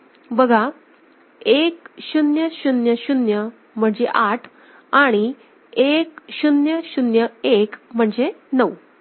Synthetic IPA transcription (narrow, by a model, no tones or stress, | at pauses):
bəɡʱa | ekɕunjəɕunjəɕunjə | m̤əɳd͡zeʔaʈʰ | aɽ̃i | ekɕunjəɕunjəekm̤əɳd͡zenəw